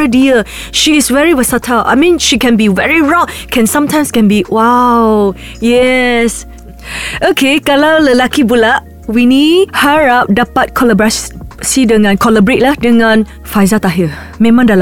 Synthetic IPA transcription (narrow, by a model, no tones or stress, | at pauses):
ədiə | ʃiɪsvɛɹiwəsatʰəlʔa̰mĩnʃikɛ̃nbivɛɹiɹɔk̚kʰɛ̃nsãmtʰãj̃mskɛ̃nbiwaw | jɛs | ʔokʰekalawləlakibulaʔ | winidhəɹap̚dapat̚kʰɔləbɹassidəŋãnkʰɔləbɹet̚ladəŋãn | fajzat̪aɦi | mẽmãŋdal